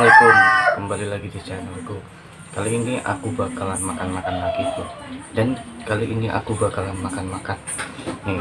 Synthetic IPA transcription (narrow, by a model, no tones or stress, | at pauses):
alekʊnkəmbalilaɡidit͡ʃanauɡu | kaloiniʔa̰kubakalamakanmakanlaɡit̪udankaliʔiniʔa̰kubakalamakanmakanni